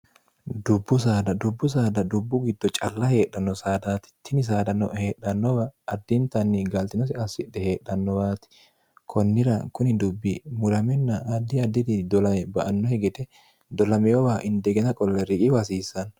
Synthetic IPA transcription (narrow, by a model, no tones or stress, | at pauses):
d̪ʊbːʊs̬aːd̪ɐd̪ʊbːʊs̬aːd̪ɐd̪ʊbːʊɡɪd̪ːɔt͡ʃʼɐlːɐhe̞ːɗːɐnːɔsaːd̪aːt̪ɪ̥t̪ʰːɪnɪs̬aːd̪ɐnːɔheːɗːɐnːɔbɐːd̪ːɪnt̪ɐnːɪɡɐlt̪ɪnɔs̬ɪɐsːɪᶑ̪ɛhe̞ːɗːɐnːɔwaːt̪ɪ̥ | kʰɔnːɪɾɐkʊnɪd̪ʊbːɪmʊɾɐmɛnːɐɐd̪ːɪɐd̪ːɪd̪ɪd̪ɔlɐmɛbɐʔɐnːɔhɛɡɛt̪ɛ | d̪ɔlɐmɛjɔwaːʔɪnd̪ɛɡɛnɐkʼɔlːɛɾɪkʼɪwɐsiːsːɐn